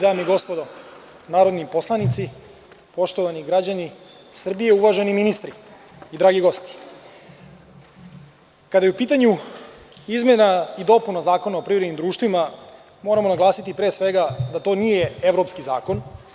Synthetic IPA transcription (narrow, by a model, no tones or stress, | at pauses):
d̪aːmiɡo̞spo̞d̪o | naːɾo̞d̪nipo̞slˠanit̪si | po̞ʃt̪o̞ʋaniɡɾad͡ʑani | sr̩bijeuʋaʒeniminist̪ɾi | id̪ɾaːɡiɡo̞st̪i̥ | kad̪ajeupiːt̪aɲu | izmʲjenaid̪o̞punazaːko̞naopɾiʋɾed̪nimd̪ɾuːʃt̪ʋima | mo̞ːɾamo̞naɡlˠaːsit̪ipɾe̞ːsʋe̞ɡad̪at̪o̞ːnije̞eʋɾo̞pskiza̰ːko̞n